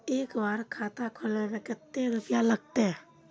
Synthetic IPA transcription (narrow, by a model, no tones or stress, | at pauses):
eːkbaːɾkʰaːt̪akʰʊlenekɪt̪ːeɾʊpjaləɡ̚t̪eɛ